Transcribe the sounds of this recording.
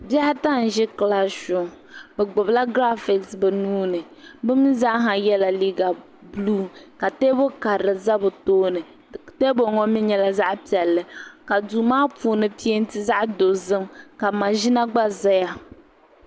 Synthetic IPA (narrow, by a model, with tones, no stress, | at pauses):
bjɛ˦hɪ˦ta˦n̩˨ʒɪ˦kla˦ʃʊ˨ŋ | bɛ˨ɡ͡bʊ˨bla˦ɡɾa˦fɪ˨ksbɛ˨nuː˦nɨ˨bɨ˦m˦za˦ɦa˨jɛ˦la˨li˦ɡa˨ | bluː˦ka˨te˦bo˦ka˨ɾɨ˨za˦bʊ˨toː˦nɨ˨ | te˦bo˨ŋɔ˦mi˦ɲɛ˦la˦za˦ʔpi˨ɛ˨lːɨ˨ka˨duː˨maː˦pu˦nɨ˦pi˦e˦n˦tɨ˦za˦ʔdo˨zɨ˦mka˨ma˨ʒi˦na˦ɡ͡ba˦za˦ja˦